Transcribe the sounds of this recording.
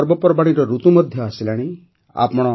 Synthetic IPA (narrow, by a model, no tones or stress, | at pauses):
ɔɾbɔpɔɾbaɽ̃iɾɔɾut̪umɔd̪ʱjɔasilaɽ̃i | a̰pɔɽ̃ɔ